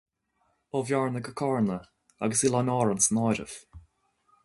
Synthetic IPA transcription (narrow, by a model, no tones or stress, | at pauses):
ovjaɹnəɡəkʰɑɹnə | a̰ɡəsilˠanɑːɹənsnɑːɾə̰v